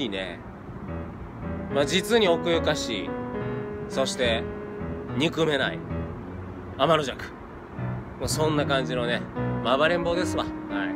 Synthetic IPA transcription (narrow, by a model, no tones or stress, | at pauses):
ine̞̰ | mad͡ʑit͡sɨɲ̟io̞kɯ̟jɯkaɕḭː | so̞ɕi̥t̪e̞ | ɲ̟ikɯ̟me̞na̰ḭ | amaɾoʑakɯ̟̥ | mosõ̞nːakãɲ̟d͡ʑino̞ne̞maβaɾẽ̞mbo̞ːd̪e̞sɨβahai